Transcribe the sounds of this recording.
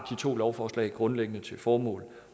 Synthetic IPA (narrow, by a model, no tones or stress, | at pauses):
d̥it͡sʰo̝̰ːlɒʊfɒːslɛ̰ɪɡ̥ʁɔ̽nleɡ̥ənət͡sʰe̝lfɒːmɔ̰̽ːl